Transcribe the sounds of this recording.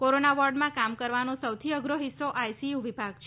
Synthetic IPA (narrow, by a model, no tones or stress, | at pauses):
koɾonaʋɔɾɖmãkamkəɾʋanõsəwt̪ʰiəɡɾoɦɪsːoʔajsijuʋɪbʱaɡt͡ʃʰ